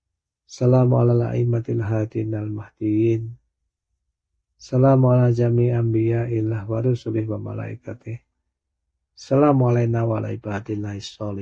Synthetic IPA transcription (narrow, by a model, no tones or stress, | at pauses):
salama̰lala̰ʔimat̪ilɦad̪inalmahd̪̥ijin | salamualad͡ʒamiambiailahwaɾusulɪhwama̰la̰ḭkat̪ɪh | salamalainawala̰ibad̪ilaisɔlɪ